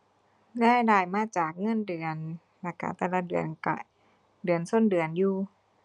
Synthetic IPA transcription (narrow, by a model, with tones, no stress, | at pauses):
ɡaː˧˥˨jdaː˧˩jmaː˧˥˨t͡ɕaː˨˩k̚ŋɤ˧˥˨ndɯ˨˩ən | la˧˩ka̰˧˩t̪ɛː˧˩la˧dɯ˨˩ənka̰˧˩ | dɯ˨˩ənso˧˥˨ndɯ˨˩ənjuː˧